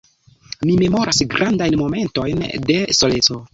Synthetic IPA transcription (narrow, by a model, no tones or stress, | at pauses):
mime̞mo̞ɾʔasɡɾʔandajnmo̞me̞nto̞jnde̞so̞let͡so